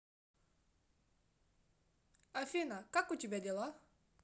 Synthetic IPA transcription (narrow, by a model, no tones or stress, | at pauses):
ɐfʲinakakʊtʲɪbʲadʲɛlˠa